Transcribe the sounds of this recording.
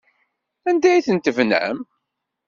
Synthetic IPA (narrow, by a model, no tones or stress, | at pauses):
ænd̪æjθənt̪əvnæ̰m